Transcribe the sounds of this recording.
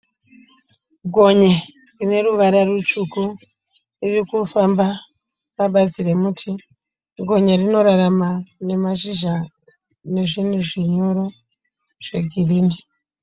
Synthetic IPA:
ɡʱo̞ɲe | rine̞ruʋaɾarut͡ʃuku | ririkufamba | ʋaɓad͡zire̞mutʰi | ɡʱo̞ɲerino̞ɾaramane̞maʃiʒa | ne̞ʐin̤uʐiɲo̞ɾo̞ | ʐ̥e̞ɡʱiriːni

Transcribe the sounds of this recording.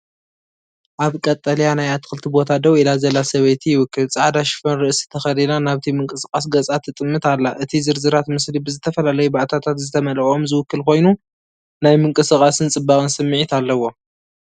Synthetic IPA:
ʔaβkʼɐt̪ʼːɐljanajat̪ʰɨ̥xɨlt̪ʰibo̞t̪ʰad̪ɐwilazɐlasɐβɐjt̪ʰijɪwʊkːɨlsʼaʕd̪aʃɪ̥fɐnɾɨʔsi̥t̪ʰɐxɐd̪inanaβt̪ʰimɨŋkʼɨskʼas̬ɡɐt͡sʼat̪ʰːɨt̪ʼɨmːɨt̪ʰalːaʔɨt̪ʰizɨɾzɨɾat̪mɨslibɨzɨt̪ʰɐfɐlalɐjubaʔt̪ʰat̪ʰat̪zɨt̪ʰɐmɐlɐʔo̞mzɨwʊkːɨlko̞jnu | najmɨŋkʼɨsɨkʼasɨnt͡sʼɨbːakʼɨnsɨmːɨʕit̪ʰalːɐwo̞

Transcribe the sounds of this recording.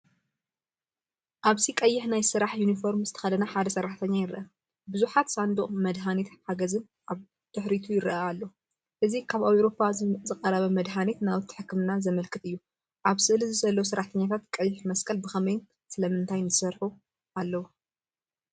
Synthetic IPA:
ʔaβzikʼɐjːɪħnajsɨɾaħjunifo̞ɾmzɨt̪ʰɐ̥xɐd̪ɐnaħad̪ɐsɐɾːaħt̪ʰɐɲːajɪɾɐʔɐ | bɨzuħat̪sand̪oʔʼmɐd̪ɦanit̪ħaɡɐzɨn | ʔaβ | t̪ʰɨħɾit̪ʰujɪɾɐʔaalːɐu | ʔɨzikʰaβawɾo̞pʰːazɨqʼɐɾɐβɐmɐd̪ɦanet̪nawt̪ʰɨ̥ħɨkːɨmnazɐmɐlkɨt̪ʼɨjːu | ʔaβsɨʔlzɨzɐlːɐwus̬ɨɾaħt̪ʰɐɲːat̪ʰat̪kʼɐjːɪħmɐskʼɐlbɨxɐmɐjn | sɨlɐmɨnt̪ʰajnzɨsɐɾħu | ʔalːɐwu

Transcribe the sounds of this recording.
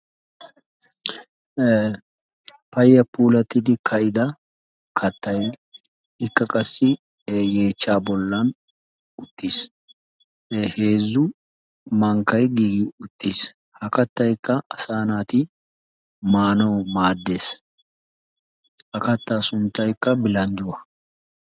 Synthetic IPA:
pɐjːɐpuːlɐt̪ːɪd̪ɪkʰɐjd̪ɐ | kʰɐt̪ːɐj | ɪkːɐkʼɐsːɪ | je̞ːt͡ʃːaːbɔlːɐn | ʊt̪ːis | he̞ːzːʊ | mɐŋkɐjɡiːɡɪʊt̪ʼːis | hɐkɐt̪ːɐjkːɐʔɐsaːnaːt̪ɪ | maːnɐwmaːd̪ːe̞ːs | hɐkɐt̪ːaːsʊnt̪ːɐjkːɐbɪlɐnd̪ʊwɐ

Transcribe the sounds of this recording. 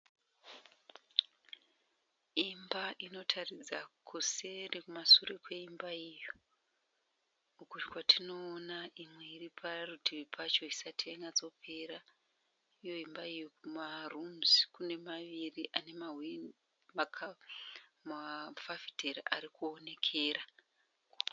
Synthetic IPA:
imbaʔino̞tʰarid͡zakʰuse̞rekumasurekwe̞imbaijo | okutikwatino̞ːnaʔimwe̞iripʰarutʰiʋipʰat͡ʃo̞isatʰiaŋɡad͡zo̞pʰe̞ɾa | ijo̞imbaijokumarumzi̥kune̞maʋiriʔane̞ma | makʰa | mafavi̥dʱeɾiʔa̰ɾikuone̞kʰe̞ːɾa

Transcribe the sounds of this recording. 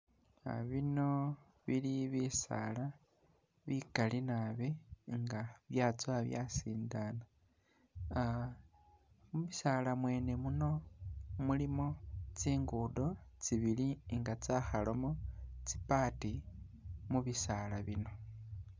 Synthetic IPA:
a̰βino̞ | βiliβisa̰la | βikalinaβeŋɡaβjaːt͡soaβja̰siːndana | a | muβisaːlamwe̞ːne̞muno̞mulimo̞t͡siːŋɡudo̞t͡siβiliŋɡat͡saxalo̞mo̞t͡si̥paːti | muβisalaβino̞

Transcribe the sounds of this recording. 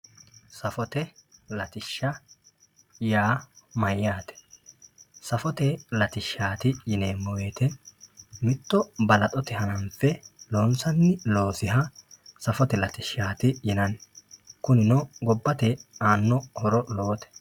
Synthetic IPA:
sɐfɔt̪ɛlɐt̪ɪʃːɐ | jaːmɐjːaːt̪ɛ̥ | sɐfɔt̪ɛlɐt̪ɪʃːaːt̪ɪjɪneːmɔweːt̪ɛ | mɪt̪ːɔbɐlɐt̪ʼɔt̪ɛhɐnɐnfɛloːnsɐnːɪlo̞ːsɪɦɐsɐfɔt̪ɛlɐt̪ɪʃːaːt̪ɪjɪnɐnkʊnɪnɔɡɔbːɐt̪ɛaːnːɔhɔɾɔloːt̪ɛ̥

